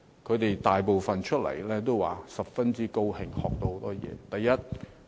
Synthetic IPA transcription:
kʰɵ˨˧t̪e˨jt̪aː˨jp̬o˨wfɐ˨nt͡ʃʰɵ˥t̚lɐ̰˨˩jlɛː˥t̪o˥wwa̰ː˨˩sɐ˨˩p̚fɐ˥nt͡siː˥ko˥whɪ˨˩ŋhɔː˨k̚t̪o˧ho˨˥wt̪ɔː˥jɛ̰ː˨˧t̪ɐ˨jːɐ˥t̚

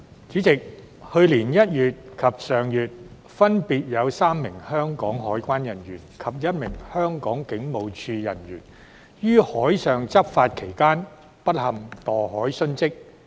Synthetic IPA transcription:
t͡siː˨˥t͡sɪ˨k̚ | hɵ˧ɥliː˨˩njɐ˥t̚jyː˨t̚kʰɐ˨p̚sœː˨˩ŋjyː˨t̚ | fɐ˥npiː˨˧t̚jɐ˨˧wsaː˥mːɪ˨˩ŋhœː˥ŋkɔː˨˥ŋɦɔː˨˥jkʷaː˥njɐ˨˩njyː˨˩nkʰɐ˨p̚jɐ˥t̚mɪ˨˩ŋhœː˥ŋkɔː˨˥ŋkɪ˨˥ŋmo˨˧wt͡ʃʰyː˧jɐ̰˨˩njyː˨˩n | jyː˥hɔː˨˥jsœː˨ŋt͡sɐ˥p̚faː˧t̚kʰe˨˩jkaː˥n | pɐ˥t̚hɐ˨mt̪ɔː˨˩ɦɔː˨˥jsɵ˥nt͡sɪ˥k̚

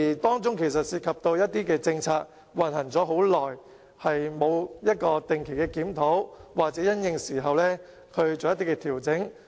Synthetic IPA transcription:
iː˨˩t̪ɔː˥ŋt͡sʊ˥ŋkʰe˨˩js̬ɐ˨t̚siː˧t̚kʰɐ˨p̚t̪o˧wjɐ˥t̚t̪iː˥kɛː˧t͡sɪ˧ŋt͡sʰaː˧t̚ | wɐ˨˩nhɐ˨˩ŋt͡sɔː˨˥ɦo˨˥wlɔː˨˩j | hɐ˨jmo˨˧wjɐ˥t̚kɔː˧t̪ɪ˨ŋkʰe˨˩jkɛː˧kiː˨˥mt̪ʰo˨˥wwaː˨k̚t͡sɛː˨˥jɐ˥njɪ˧ŋsiː˨˩ɦɐ˨wlɛː˥ | kʰɵ˧ɥt͡so˨wjɐ˥t̪̬iː˥kɛː˧t̪ʰiː˨˩wt͡sɪ˨˥ŋ

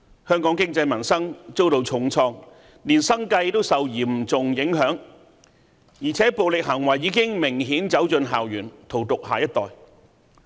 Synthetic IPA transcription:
hœː˥ŋkɔː˨˥ŋkɪ˥ŋt͡sɐ˧jmɐ˨˩nsɐ˥ŋt͡so˥wt̪o˨˧wt͡sʰʊ˨˥ŋt͡sʰɔː˧ŋ | liː˨˩nsɐ˥ŋkɐ˧jt̪o˥wsɐ˨wjiː˨˩m̩˨˩t͡sʊ˨ŋjɪ˨˥ŋɦœː˨˥ŋ | jiː˨˩t͡sʰɛː˨˥po˨wlɪ˨k̚ɦɐ˨˩ŋwɐ˨˩jːiː˨˧˥kɪ˥ŋmɪ˨˩ŋɦiː˨˥nt͡sɐ˨˥wt͡sɵ˧nɦa̰ː˨wjyː˨˩nt̪ʰo˨˩wt̪ʊ˨k̚haː˨jɐ˥t̚t̪ɔː˨j

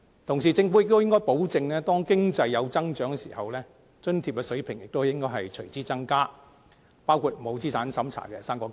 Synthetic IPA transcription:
t̪ʰʊ˨˩ŋs̬iː˨˩t͡sɪ˧ŋfu˨˥jɪ˨k̚t̪o˥wjɪ˥ŋkɔː˥jpo˨˥wt͡sɪ˧ŋlɛː˥t̪ɔː˥ŋkɪ˥ŋt͡sɐ˧jːɐ˨˧wt͡sɐ˥ŋt͡ʃœː˨˥ŋkɛ˧sḭː˨˩hɐ˨wlɛː˥ | t͡ʃɵ˥nt̪ʰiː˧p̚kɛː˧sɵ˨˥ɥpʰɪ˨˩ŋjɪ˨k̚t̪o˥jɪ˥ŋkɔː˥jɦɐ˨jt͡ʃʰɵ˨˩ɥt͡siː˥t͡sɐ˥ŋkaː˥ | paː˥wkʰuː˧t̚m˨mo˨˧wt͡siː˥saː˨˥nsɐ˨˥mt͡sʰa̰ː˨˩kɛː˧saː˥mkɔː˧k

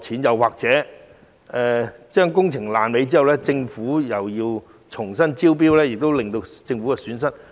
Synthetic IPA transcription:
t͡sʰiː˨˥njɐ˨˧waː˨k̚t͡sɛː˨˥ | ɛː˨˧t͡ʃœː˥ŋkʊ˥ŋt͡sʰɪ˨˩ŋlaː˨nme˨˧jt͡si˥ɐ˨wlɛː˥t͡sɪ˧ŋfuː˨˥jɐ˨wjiː˧w | t͡ʃʰʊ˨˩ŋs̬ɐ˥nt͡siː˥wp̬iː˥wlɛː˥jɪ˨k̚t̪o˥wlɪ˨ŋt̪o˧t͡sɪ˧ŋfu˨˥kɛ˧syː˨˥nsɐ˥t̚

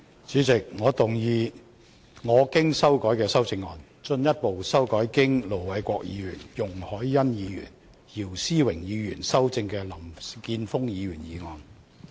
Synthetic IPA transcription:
t͡syː˨˥t͡sɪ˨k̚ŋɔː˨˧t̪ʊ˨˩ŋjiː˧ | ŋɔː˨˧kɪ˥ŋsɐ˥wkɔː˨˥jkɛː˧sɐ˥wt͡sɪ˧ŋːɔː˨˧n | t͡ʃɵ˧njɐ˥t̚po˨wsɐ˥wkɔː˨˥jkɪ˥ŋlo˨˩wwɐ˨˧jkʷɔː˧k̚jḭː˨˧ɥyː˨˩njʊ˨˩ŋhɔː˨˥jːɐ˥njiː˨˧jy̰ː˨˩n | ji˨˩wsiː˥wɪ˨˩ŋjiː˨˧jyː˨˩nsɐ˥wt͡sɪ˧ŋkɛː˧lɐ˨˩mkiː˧nfʊ˥ŋjiː˨˧ɥyː˨˩njiː˨˧ŋɔː˨˧n

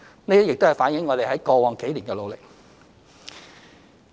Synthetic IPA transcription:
ne˥d̪i˥jɪ˨k̚t̪hfaː˨˥njɪ˨˥ŋːɔː˨˧ɾe˨jɦɐ˨˥jkɔː˧wɔː˨˩ŋke˨˥jliː˨˩nkɛː˧lo˨˧wlɪ˨˩k̚

